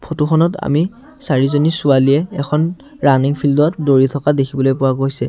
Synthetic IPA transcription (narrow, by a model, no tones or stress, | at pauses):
pʰotuxʰɔnɔta̰mi | saɹizonisʊalijɛɛkʰɔn | ɹaniŋpʰildɔtdoɹitʰɔkadekʰibɔlojpʊwaɡojsɛ